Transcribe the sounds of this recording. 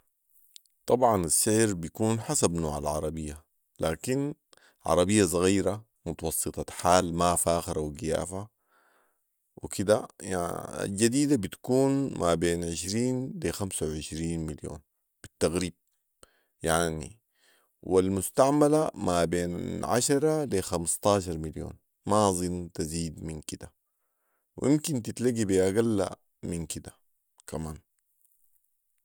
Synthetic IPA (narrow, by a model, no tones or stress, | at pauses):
t̪ˤɑbʕɑnasːɪʕɾbijakuːnħasabnoːʕa̰lʕɑɾˤɑbijːa | laːkin | ʕɑ̰ɾˤɑbijːasˤɑɣiːɾa | mʊt̪ɑwɑsˤːɨt̪ˤɑħaːlmafaːxɾawɡija̰ːfa | wikʰid̪a | a̰ld͡ʒad̪iːd̪abit̪kuːnmabeːnʕɪʃɾiːndeːxamsawʕɪʃɾiːnmiljo̰ːn | b̥it̪ːaɣɾiːb̚ | jaʕnḭ | wilmust̪aʕmalamabeːnʕa̰ʃɑɾˤɑlexamst̪ɑːʃ̬ɑɾˤmiljo̰ːn | mazˤint̪aziːd̪minkid̪a | wʔimkint̪it̪laɡibiʔaɡalːa̰ | minkid̪a | kʰamaːn